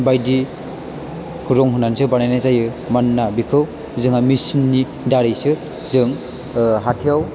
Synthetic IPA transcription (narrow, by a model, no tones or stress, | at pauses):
bajdi | kʰɯɾɔŋɦunːansɯbanajnazajɯ | manːabikʰɯw | zɯŋamisinːi | daɾijsɯ | zɯŋ | ɦatʰijaw